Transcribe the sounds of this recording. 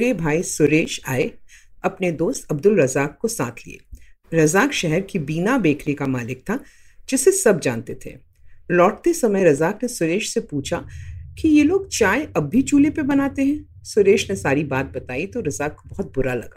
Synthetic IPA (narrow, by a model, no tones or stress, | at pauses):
ɾebʱaːisʊɾeːʃaːeɐpned̪oːst̪ɐbd̪ʊlɾɐzaːkːosa̰ːt̪ʰlḭḛːɾɐzaːkʃɛɦɛɾkibiːnabeːkʰɾikamaːlɪk̚t̪ʰa | d͡ʒɪsesɐb̚d͡ʒa̰ːnt̪et̪ʰḛ | lɔːʈ̚t̪esɐməjɾɐzaːknesʊɾeːʃsepuːt͡ʃʰakijeloːɡ̚t͡ʃaːeɐbːʱit͡ʃuːlepebɐnaːt̪eɦɛ̃ː | sʊɾeːʃnesaːɾibaːt̪̚bɐt̪aːit̪oɾɐzaːkːobɐɦʊt̪̚bʊɾalɐ̰ɡa̰ː